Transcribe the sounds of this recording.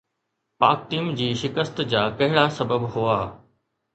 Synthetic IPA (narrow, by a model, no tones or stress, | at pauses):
paːk̚ʈiːmd͡ʑiːʃɪkəst̪d͡ʑaːkɐɦɪɽasɐbəbɦʊaː